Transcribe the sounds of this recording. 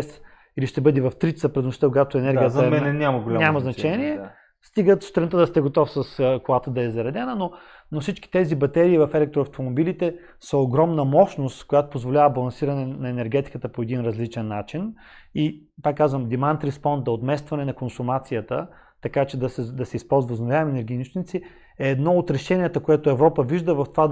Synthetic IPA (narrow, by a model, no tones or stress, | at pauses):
s | iliʃt̪ɛbɤd̪ɛvɐft̪ɾit͡ʃ̪səpɾɛd̪moʃit̪əkoɡat̪ʊɛnɛɾɡijəzmɛɛnʲamɐɡolʲanʲamɐznɐt͡ʃɛniɛ | st̪iɡət̪sst̪ɾɛnt̪əd̪ɐst̪ɛɡot̪ɔfsɐskʊlˠat̪əd̪ɐɛzɐɾɐd̪ɛnəno | nofsit͡ʃki̥t̪ɛzibɐt̪ɛɾiːvɐfɛlɛk̚t̪ɾoɐft̪omobilit̪ɛ | səoɡɾɔmnɐmɔʃnost̪kojat̪o̥pozvolʲavəbɐlˠɐnsiɾɐnɛnɐɛnɛɾɡʲɛt̪i̥kət̪əpoɛd̪inɾɐzlit͡ʃɛnːat͡ʃin | ipakːazvəmd̪imant̪ɾispɔnd̪̚d̪ɐot̪mɛst̪vɐnɛnɐkonsʊmat̪sijət̪ə | t̪ɐkat͡ʃɛd̪ɐsɛd̪ɐsɛispɔlˠzvɐznovʲjavɐmɛnɛɾɡʲiːnuʃt͡ʃ̪nit̪si | ɛːd̪nɔot̪ɾɛʃɛnʲiɛt̪əkojɛt̪oɛvɾɔpəviʒd̪əvɐft̪o̥va